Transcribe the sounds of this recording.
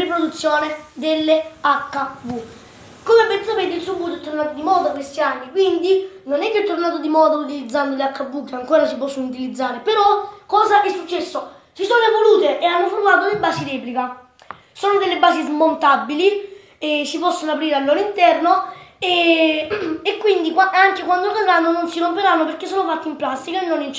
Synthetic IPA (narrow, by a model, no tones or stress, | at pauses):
ipɾod̪ut̪sːjoːned̪elːeakːavu | komepːensapeːt̪esukːuːt̪oɛt̪ːornaːt̪od̪imɔːd̪okːest̪ianːikwind̪inonɛkːeɛt̪ːornaːt̪od̪imɔːd̪aut̪̬ilid̪zːand̪oleakːavːukːeaŋkoːɾasipɔsːonut̪̬ilid̪zːaːɾepeɾɔkːɔːzaʔɛsːut͡ʃːɛsːo | t͡ʃisoːnoevoluːt̪eʔeanːofoɾmaːt̪od̪ebaːsiɾɛːplika | soːnod̪elːebːaːsizmont̪abːili | ɛsipɔsːonoapɾiːɾealːoːɾoint̪ɛrnoe | ekːwind̪ikwaaŋkekwand̪ored̪ɾanːononsiɾompeɾanːopeɾk̟ːesːoːnofat̪ːiimplast̪ikaenːonin